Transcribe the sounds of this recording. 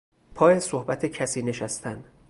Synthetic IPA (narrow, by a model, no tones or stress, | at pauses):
pʰɒːjesohbæt̪ʰecʰæsiːne̞ʃæst̪ʰænd̪̥